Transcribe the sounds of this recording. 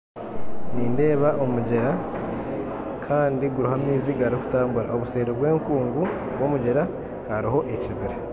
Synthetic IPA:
niːnde̞ːβaʔo̞muɟeɾa | kʰaːndiɡuɾuɦamiːziɡaɾiku̥taːmbuɾa̰ʔo̞βuse̞ːɾeβwe̞ːŋkuːŋɡu | βwo̞muɟeɾa | haɾiɦo̞ʔeciβiɾe

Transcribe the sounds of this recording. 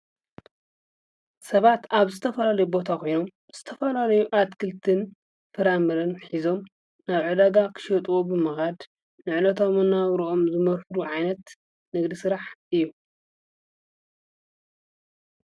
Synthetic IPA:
sɐβat̪aβzɨt̪ʰɐfɐlalɐjubo̞t̪ʰakʰo̞jno̞m | z̥ɨt̪ʰɐfɐlalɐjuʔad̪kʰɨlt̪ʰɨn | fɨɾamɨɾɐnħizo̞m | naβʕɨd̪aɡakʰɨ̥ʃɐt̪ʼwobɨmɨxad̪ | nɨʕlɐt̪ʰo̞mɨnːaβɾoʔo̞mzɨmɐɾħuɾuʕajnɐt̪ | nɨɡd̪isɨɾaħʔɨjːu

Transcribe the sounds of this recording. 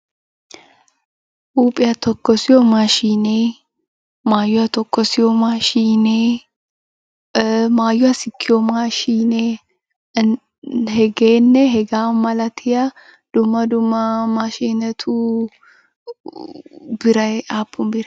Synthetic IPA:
ʔuːpʼɪjɐt̪ɔkːɔsɪɔmaʃiːneː | maːjʊɐt̪ɔkːɔsɪjɔmaʃiːneː | maːjʊɐsɪkʰːɪjɔmaʃiːne | hɛɡeːnːɛɦɛɡaːmɐlɐt̪ʰɪjɐ | d̪̥ʊmːɐd̪ʊmːɐmɐʃiːnɛt̪ʰu | bɪɾɐaːpːʊmbɪɾ

